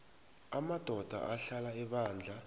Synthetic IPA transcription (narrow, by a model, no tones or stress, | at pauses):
amad̥ʱɔd̥ʱa̰ʔaɬalaɛɓaːnd͡ɮʱa